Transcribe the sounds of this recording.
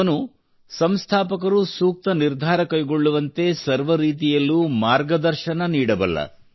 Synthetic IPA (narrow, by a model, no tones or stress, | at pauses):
ɐnu | sɐmst̪ʰaːpɐkɐɾusuːk̚t̪ɐniɾd̪ʱaːɾɐkɐjɡoɭːuʋɐnt̪e̞sɐɾʋɐɾiːt̪̬ijɐlːumaːɾɡɐd̪ɐɾʃɐnɐniːɽɐbɐ̰lːɐ̰